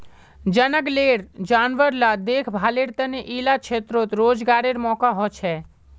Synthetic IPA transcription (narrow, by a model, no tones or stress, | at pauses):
d͡ʒənəɡleːɾd͡ʒaːnʋəɾlad̪eːkʰbʱaːleɾt̪əneʔiːlat͡ʃʰeːt̪ɾot̪ɾoːd͡ʒɡaːɾeɾmɔːkaɦɔːt͡ʃʰɛː